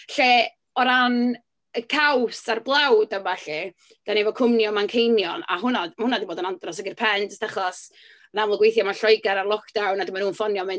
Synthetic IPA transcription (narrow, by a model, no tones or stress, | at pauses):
ɬeː | ɔɾan | əkʰawsarblˠawdanvaɬɛ | d̥anevɔkʰʊmnjɔmankʰejnjɔna̰ɦʊnamahʊnadiboːdənandrɔsəɡɪrpʰɛntʰstʰaχɔs | namləɡwejθjɔmaɬɔjɡaɾarlˠɔkʰd̥awnadɪmanuːnfɔnjɔmɪn